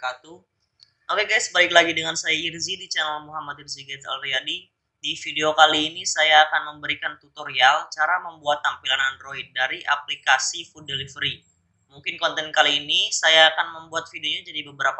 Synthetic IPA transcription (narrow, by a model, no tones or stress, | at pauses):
kat̪u | okɛkajasəbaɪklaɡidəŋansajairzidit͡ʃanalmuɦamat̪̚irziɡɛt̪a̰lriadi | difideokaliːnisajaːkanməmbəɾikant̪ut̪oɾialt͡ʃaɾaməmbuat̪ːampilananroɦit̪̚daɾiʔaplikasifudəlifɾi | muŋkɪnkɔnt̪ɛnkaliːnisajaːkanməmbuat̪̚fideoɲad͡ʒadibəbəɾapa